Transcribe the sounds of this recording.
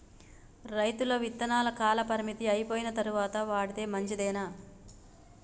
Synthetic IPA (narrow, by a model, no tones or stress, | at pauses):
ɾɐjt̪ulɐʋit̪ːɐnaːlɐkaːlɐpɐɾimit̪iɐjpoːjinɐt̪ɐɾuʋaːt̪ɐʋaːɽit̪eːmɐɲt͡ʃid̪ɛːnaː